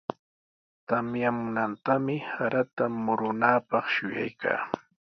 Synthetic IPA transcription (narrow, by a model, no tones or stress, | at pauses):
t̪amjamʊnant̪amɪhaɾat̪amʊɾʊnaːpɑχʃʊja̰jka̰ː